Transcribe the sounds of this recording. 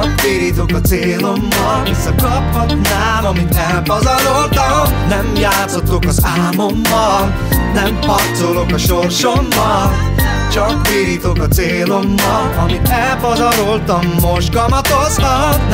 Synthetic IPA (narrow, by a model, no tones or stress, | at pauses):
kbiɾit̪okɒt̪seːlo̞mːɒlvisːɒkɒpɦoknaːmɒmit̪ɛlpɒzɒɾo̞lt̪ɒnɛmjaːt̪sot̪ːokɒzaːmo̞mːɒl | nɛmhɒpt̪solokɒʃo̞rʃo̞mːɒl | t͡ʃɒkbiːɾiːt̪o̞kɒt̪seːlo̞mːɒlɒmit̪ɛlpɒzɒɾo̞lt̪ɒmːo̞ʒɡɒmɒt̪ozɒ